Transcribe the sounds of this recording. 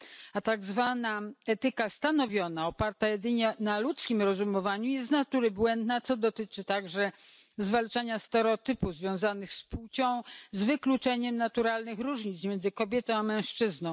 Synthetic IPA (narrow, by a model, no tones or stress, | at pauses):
at̪aɡzvanaɛt̪ɘkast̪anɔvʲjɔnaɔpaɾt̪ajɛd̪ɘɲɛnalut̪skʲimɾɔzumɔvaɲujɛst̪nat̪uɾɘbwɛnd̪nat̪sɔd̪ɔt̪ɘt͡ʂɘt̪aɡʐɛ | zvalt͡ʂaɲast̪ɛɾɔt̪ɘpuzvʲjɔ̃w̃zanɘxspuwt͡ɕɔ̃w̃zvɘklut͡ʂɛɲɛmnat̪uɾalnɘxɾuʐɲit̪smʲjɛnzɘkɔbʲjɛt̪ɔ̃w̃amɛ̃w̃ʂt͡ʂɘznɔ̃w̃